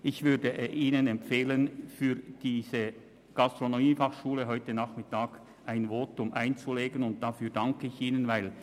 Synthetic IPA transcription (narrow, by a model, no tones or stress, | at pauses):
ʔɪçvʏɐdəʔiːnənɛmpfeːlənfyːd̥iːzə | ɡ̥astʁ̥onomiːfaχʃuːləɦɔʏtənaːχmɪtaːɡ̥ | ʔaɪnvoːtʊmʔaɪnt͡suleːɡənʊnt̚d̥afyːɐdaŋkəɪçiːnənvaɪl